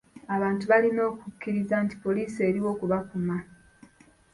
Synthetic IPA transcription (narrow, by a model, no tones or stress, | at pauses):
aβaːntuβalino̞ːkukːiɾizanti̥po̞liːseːɾiwo̞ːkuβakuma